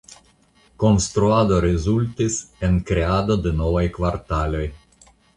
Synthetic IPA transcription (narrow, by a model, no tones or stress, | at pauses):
konst̪ɾuad̪oɾezult̪iseŋkɾeaːd̪od̪enɔvajkvaɾt̪aloj